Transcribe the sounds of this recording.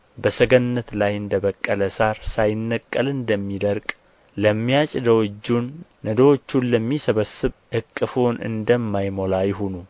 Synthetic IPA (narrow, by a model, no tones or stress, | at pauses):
bəsəɡənnːət̪lajɨnd̪əβəkʼːələsaɾsajɪnːəkʼːəlɨnd̪əmːid̪əɾkʼ | ləmːijat͡ʃʼɪd̪əwɨd͡ʒːunː | əd̪əwot͡ʃːunləmːisəβəsːɨβʔɨkʼːɨfonɨ̰nd̪əmːajmo̞lajɪɦonu